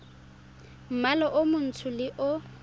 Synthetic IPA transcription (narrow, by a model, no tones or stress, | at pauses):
m̩malɔʔʊmʊn̩tʰʊlɪʔʊ